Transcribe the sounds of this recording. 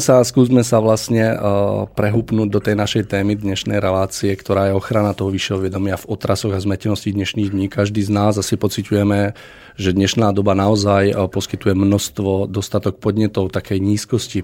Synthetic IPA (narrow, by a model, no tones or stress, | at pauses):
saskuːzmɛsaʋlasɲɛpɾɛɦuːpnuːɟd̪ɔt̪ɛjnaʃɛjt̪ɛːmid̪ɲɛʃnɛjɾɛlaːt͡siɛkt̪ɔɾaːjɛɔxɾanat̪ɔɦɔʋiʃɛɦɔʋɪjɛd̪ɔmɪavɔt̪ɾasɔɣazmɛcɛnɔscid̪ɲɛʃniːɣd̪ɲiːkaʒd̪iːznaːzasipɔt͡sicujɛmɛ | ʒɛd̪ɲɛʃnaːd̪ɔbanaɔzajpɔskit̪ujɛmnɔst̪ʋɔd̪ɔst̪at̪ɔk̚pɔd̪ɲɛt̪ɔʊt̪akɛjɲiːskɔsci